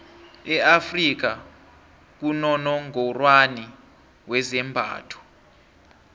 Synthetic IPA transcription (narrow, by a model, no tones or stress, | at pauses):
ɛafrik̬a | k̬unɔnɔŋɔrwani | wɛzɛmbʱa̰ːtʰɔ̥